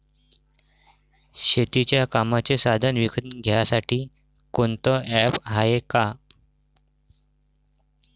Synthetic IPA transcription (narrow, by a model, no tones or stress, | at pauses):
ɕet̪it͡ɕjakamat͡sesad̪ʱənʋikʰət̪ɡʱejasaʈʰiː | kont̪ɔɛpɦajeka